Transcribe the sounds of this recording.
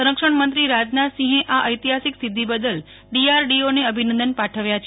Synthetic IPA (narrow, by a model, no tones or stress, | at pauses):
əɾəkʃəɳmənt̪ɾiɾad͡ʒnasĩɦẽʔaʔəjt̪iɦasiksid̪ʱːibəd̪əl | ɖiaɾɖioneəbʱinə̃nd̪ənpaʈʰəʋjat͡ʃʰ